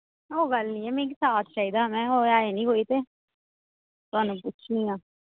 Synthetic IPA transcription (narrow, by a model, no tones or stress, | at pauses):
oːɡəlnĩːɛːmẽːk̬ɪsaːt̪ʰʃaːiːd̪aːmɛ̃ːoːaːeːnĩːɦoːiːt̪eː | t̪ʊaːnũːpʊt͡ʃʰnĩːãː